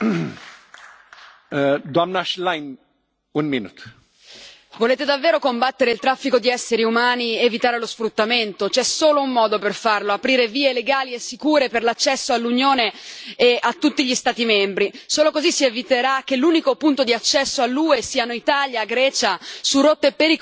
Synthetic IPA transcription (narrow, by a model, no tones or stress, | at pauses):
d̪wamnaʃlajn | unminṵːt̪ | voleːt̪ed̪avːeːɾokombat̪ːeɾeilt̪ɾafːikod̪iɛsːeɾiumaːnievit̪aːɾelosfɾut̪ːament̪ot͡ʃɛsoːloumːɔːd̪operfarloapɾiːɾeviːeleɡaːliesːikuːɾeperlat͡ʃːɛsːoalːunjoːneː | at̪ːut̪ːiʎist̪aːt̪imɛmbɾisoːlokozisːievit̪eɾak̟ːelːuːnikopunt̪od̪iat͡ʃːɛsːoalːuːesiːanoit̪aːljaɡɾɛːt͡ʃasurot̪ːepeɾik